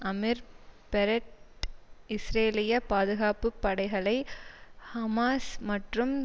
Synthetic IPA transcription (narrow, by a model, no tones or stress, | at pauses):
ɐmɪɾpɛɾɐʈ | ɪsɾeːlɪjɐpaːðɯɣaːpɯpːɐɽɐɪɣɐɭɐɪhɐmaːsmɐʈrɯm